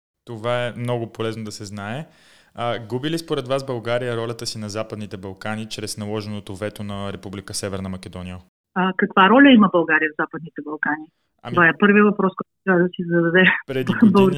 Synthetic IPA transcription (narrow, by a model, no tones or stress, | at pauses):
t̪ovaɛmnɔɡopolɛznod̪ɐsɛznaɛ | əɡubilispoɾɛd̪vasbɐlˠɡaɾijəɾɔlʲɐt̪əsinɐzapəd̪nit̪ɛbɐlˠkanit͡ʃɾɛsnɐlˠɔʒɛnot̪ovɛt̪onɐɾɛpublikəsɛvɛɾnɐmɐk̟ɛd̪ɔnijə | əkəkvaɾɔlʲəiməbɐlˠɡaɾijəvzapəd̪nit̪ɛbɐlˠkani | ɐovaɛpɤɾviəvɐpɾɔskoɔ | ad̪əsizɐd̪ɐd̪ɛpɾɛd̪blˠɡ